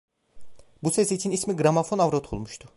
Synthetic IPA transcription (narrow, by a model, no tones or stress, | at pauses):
busesit͡ʃʰinismiɡɾamafo̞navɾot̪ʰolˠmuʃt̪ʰʊ